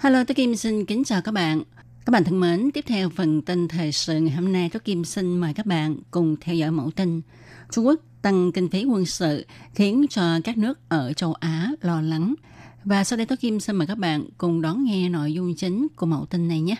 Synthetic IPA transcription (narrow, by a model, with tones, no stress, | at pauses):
haː˧jlo˧t̪o˨˦˥ki˧msi˧nkï˨˦ŋ̟t͡ɕaː˨˩wka˦˥k̚ɓa̰ː˧˨n | kaː˦˥ɓ̰aː˧˨t̪ʰə˧˩me˨˦nt̪i˦˥əp̚t̪ʰɛ˧wfə˨˩nt̪i˧ŋ̟t̪ʰəː˨˩jsɨ̰˧˨ŋaː˨˩jɦo˧mna˧jt̪o˨˦˥ki˧msi˧ŋ̟məː˨˩jkaː˦˥k̚ɓa̰ː˧˨nkʊ˨˩ŋ͡mt̪ʰɛ˧wzɔ̰˧˨jmo̰˧˩wt̪ï˧ŋ | t͡ɕʊ˧ŋ͡mku˦˥ək̚t̪a˧ŋk̪ï˧ŋ̟fi˨˦kwə˧nsɨ̰˧˨xi˨˦ənt͡ɕɔ˧kaː˦˥k̚nɨ˦˥ək̚ʔəː˧˩t͡ɕə˧wʔaː˨˦lɔ˧la˨˦ŋ | vaː˨˩sa˧wɗə˧jt̪o˨˦˥ki˧msi˧maː˨˩jkaː˦˥k̚ɓa̰ː˧˨nkʊ˨˩ŋ͡mɗɔ˨˦nŋɛ˧no̰˧˨jzʊ˧ŋ͡mt͡ɕï˨˦ŋ̟ku˧˩əmo̰˧˩wt̪ï˧nːa˨˩jɲaː˨˦˥